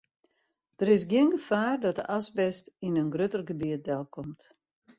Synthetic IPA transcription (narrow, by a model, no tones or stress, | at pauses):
d̥əɾɪs̬ɡjiɪənɡəfaːrdɔt̚dəʔasbɛstinənɡrøtərɡəbiət̚dɛlˠkʰɔmt